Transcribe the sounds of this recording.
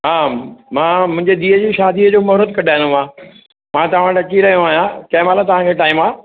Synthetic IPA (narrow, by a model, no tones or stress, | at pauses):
ɦaːmãːmʊ̃ɦɪ̃ɲd͡ʑed̪iːəd͡ʑiːʃaːd̪ʱiːəd͡ʑoːmɐɾəd̪̚kɐɗʱaːɦɪ̃ndumãː | mãːt̪ɐʋ̤ãʈɐt͡ɕiɾɐɦijõaːɦijãkɐɦɪ̃maːlat̪ɐʋ̤ãkʰeːʈaːɪmaː